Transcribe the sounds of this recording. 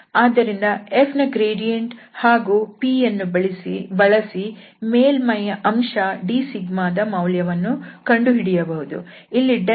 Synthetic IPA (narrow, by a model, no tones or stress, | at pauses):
aːd̪ɐɾind̪ɐepʰnɐɡɾeːɖijɐɳʈhaːɡuːpiːjɐnːubɐɭisḭbɐɭɐsi | meːlmɐjɐʔɐmʂɐɖiːsiɡmaːd̪ɐmɐwljɐʋɐnːukɐɳɖuɦiɽijɐbɐɦud̪ṵ | ilːiɖe